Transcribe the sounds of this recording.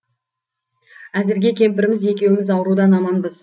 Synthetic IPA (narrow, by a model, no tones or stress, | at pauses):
æzɪɾɡʲe̞kʲʰe̞mbɪɾɪmɪze̞kʲe̞wɪmɪzɑwɾud̪ɑnɑmɑnbəz